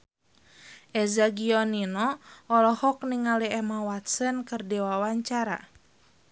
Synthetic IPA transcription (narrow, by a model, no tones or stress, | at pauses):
ʔɛzaɡiɔninɔʔɔlɔhɔk̚niŋaliɛmawat̪sənkərdɛwawaɲt͡ʃaɾa̰